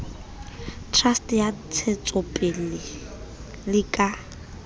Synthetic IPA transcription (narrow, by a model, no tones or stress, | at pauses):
tʰrastjat͡sʰet͡sʼʊpʼɪlɪ | lɪkʼa